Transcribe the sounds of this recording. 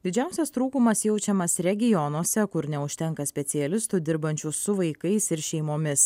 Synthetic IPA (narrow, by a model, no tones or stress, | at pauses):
d̪ʲɪd͡ʒʲæˑʊsʲɛst̪ɾuːkʊmɐsjɛʊt͡ʃʲɛmɐsɾʲɛɡʲɪjɔnoɔsʲɛkʊɾnʲɛʊʃʲt̪ʲɛŋkɐsʲpʲɛt̪sʲɪɛlʲɪst̪ʊd̪ʲɪɾbɐnʲt͡ʃʲusʊʋɐɪkɐɪsɪɾʃʲɛɪmoːmʲɪs